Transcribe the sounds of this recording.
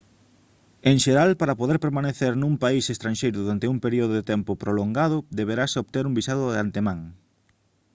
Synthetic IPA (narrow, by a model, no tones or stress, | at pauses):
eŋʃeɾalpaɾɐpoðeɾpeɾmaneθeɾnũŋpaisest̪ɾãnʲʃejɾʊðuɾant̪euŋpeɾioðʊðet̪ɛmpʊpɾoloŋɡað̞ʊd̪eβeɾasoβt̪eɾuŋbisaðʊðeant̪emãŋ